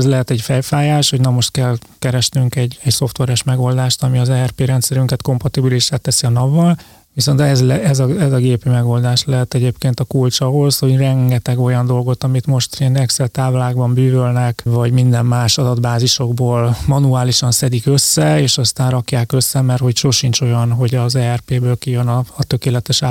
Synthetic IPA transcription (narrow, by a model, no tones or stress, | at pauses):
zlɛɦɛt̪ɛɟfɛjfaːjaːʃho̞ɟnɛmo̞ʃt̪̚kɛlkɛɾɛʃnyŋkɛɟːɛcso̞ft̪ʋɛɾɛʃmɛɡo̞ld̪aːʃt̪ɒmiɒzɛɛrpeːɾɛnt̪sɛɾyŋkɛt̪ko̞mpɒt̪ibiliʃːaːt̪ːɛsiɒnɒvːɒl | ʋiso̞nt̪ɛzlɛɛzɒɛzɒɡeːpimɛɡo̞ld̪aːʃlɛɦɛt̪ɛɟeːpkeːnt̪ɒkult͡ʃɒɦo̞sho̞ɟrɛŋɡɛt̪ɛɡo̞jɒnd̪o̞lɡo̞t̪ɒmit̪mo̞ʃt̪inɛksɛlt̪aːvlaːɡbɒmbyːvølnɛkvɒɟmind̪ɛmmaːʃɒd̪ɒd̪baːziʃo̞ɡboːlmɒnuaːliʃɒnsɛd̪ikøsːɛeːʃɒst̪aːnrɒkjaːkøsːɛmɛrho̞cʃoʃint͡ʃo̞jɒnɦo̞ɟɒzɛːɛrpeːbøːlkijønɒːt̪ø̞keːlɛt̪ɛʃa